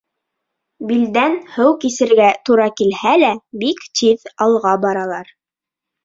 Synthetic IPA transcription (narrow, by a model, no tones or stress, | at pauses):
bild̪ænhɘwkisɘ̆ɾɡæt̪uɾɑkilhælæbikt̪iðɑlˠʁɑbɑɾɑlˠɑɾ